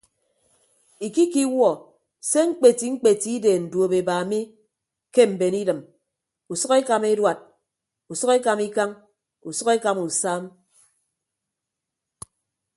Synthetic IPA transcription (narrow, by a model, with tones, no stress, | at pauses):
i˨ki˦ki˦wɔ˨ | se˦ŋ̩˦k͡pe˨ti˨ŋ͡m̩˦k͡pe˨ti˦i˦de˨n̩˨do˨be˨ba˨mi˦ | ke˦m̩˨be˨ni˦dɨ˨m | u˨sɔ˦ke˦ka˨me˦dwa˨t̚ | u˨sʌ˦ke˦ka˨mi˦ka˦ŋ | u˨sʊ˦ke˦ka˨mu˨saː˦m